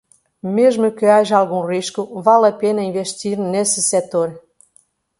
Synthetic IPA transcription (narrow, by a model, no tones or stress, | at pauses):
meʒmɨkəaʒɑlɣũriʃkuvalapenəinveʃt̪iɾnesəset̪oɾ